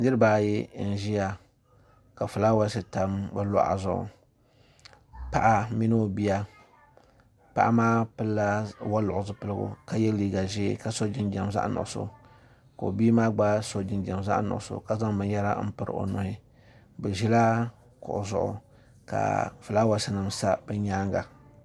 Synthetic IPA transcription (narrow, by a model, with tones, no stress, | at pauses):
dɨ˦ɾɨ˦ba˨ji˦n̩˦ʒi˦ja˨ | ka˨fɨ˨la˦wa˦sɨ˨ta˨mbɨ˦lɔ̰˦ʔa̰˨zʊ˦˨ʊ̰˨ | pa˨ʔa˦mi˦no˦˨bi˦ja˦ | pa̰˦ʔa˦maː˦pɨ˦lːa˦wa˦lʊ˨ʔʊ˨zɨ˦pɨ˦lɨ˦ɡʊ̰˨ka˦jɛ˦liː˦ɡa˨ʒeː˦ka˦so˦d͡ʒi˦nd͡ʒa˨mza̰˦ʔnʊ̰˨ʔʊ˨so̰˦ | ko˨biː˦maː˦ɡ͡ba˦so˦d͡ʒi˨nd͡ʒa˨mza̰˦ʔnʊ̰˨ʔʊ˨so̰˨ka˨za˦ŋbɨ˦n˦jɛ˦ɾa̰˦m̩˦pɨ˦ɾɨ̰˨ʔo̰˨nʊ˨hɪ˦ | bɨ˨ʒi˦la˦ | kʊ̰˨ʔʊ˨zʊ̰˨ʔʊ̰˨ | ka̰˨fɨ˨la˦wa˨˦sɪ˦nɨ˨msa˦bɨ˦ɲaː˦ŋɡa̰˨